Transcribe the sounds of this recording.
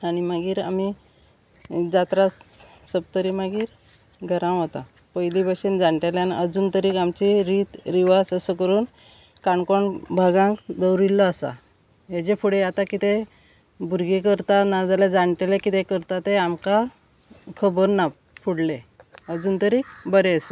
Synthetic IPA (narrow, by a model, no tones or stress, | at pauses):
añimaɡiːɾa̰mi | d͡zat̪ɾa | səb̚t̪əɾimaɡiːɾ | ɡʱəɾãw̃ɦot̪a̰ | pəjlibəɕend͡zaɳʈeleaniʔəd͡zuːnt̪əɾiːkamt͡ɕiɾiːt̪ɾiʋasəsəkəɾuːn | kaɳkɔɳbʱaɡãŋkd̪əwɾilːɔasa̰ | ɦed͡ʑepʰuɽeat̪akit̪e | bʱuɾɡekəɾt̪anad͡z̪alad͡zaɳʈelekit̪ekəɾt̪at̪eamka | kʰəbəɾna | pʰuɽleəd͡zuːnt̪əɾiːkbəɾeəsa